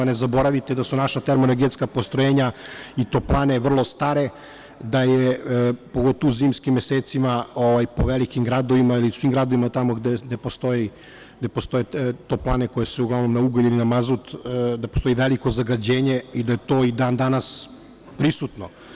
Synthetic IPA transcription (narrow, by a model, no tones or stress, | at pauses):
anezabo̞ɾaʋit̪ed̪asunaʃat̪eɾmonoɡet̪skapo̞st̪ɾojeːɲait̪o̞ːplˠaːne̞ʋr̩lˠost̪aːɾe̞ | d̪ajepo̞ɡo̞t̪oʋuziːmskimjeseːt̪simaoʋajpoʋelikimɡɾad̪oʋimailiusʋiːmɡɾad̪oʋimat̪amoɡd̪ed̪epost̪o̞ji | ɡd̪e̞post̪o̞jet̪o̞ːplˠaːneko̞jesuuɡlaʋnomnauɡoilinamazut̪d̪apost̪o̞iʋeliko̞zaɡad͡ʑeːɲeid̪aje̞t̪o̞ːid̪aːnd̪anas | pɾisut̪no